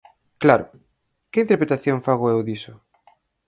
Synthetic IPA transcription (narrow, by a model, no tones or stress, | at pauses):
klaɾʊ̰ | kɪint̪eɾpɾet̪aθjoŋfaɣoewðisʊ